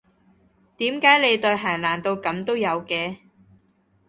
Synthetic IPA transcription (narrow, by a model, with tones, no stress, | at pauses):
t̪iː˨˥mkaː˨˥jle˨˧jt̪ɵ˧ɦaː˨˩nlaː˨˩nt̪o˧wkɐ˨˥mt̪o˥wjɐ˨˧wkɛː˧